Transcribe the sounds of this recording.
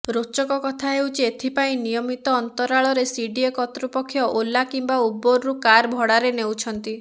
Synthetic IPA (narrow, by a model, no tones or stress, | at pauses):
ɾot͡ʃɔkɔkɔt̪ʰaɦewt͡ʃʰiet̪ʰipaĩnijɔmit̪ɔːnt̪ɔɾaɭɔɾesiɖiekɔt̪ɾupɔkʰːjɔʔolakimbauboɾːukaɾbʱɔɽaɾenewt͡ʃʰɔnt̪i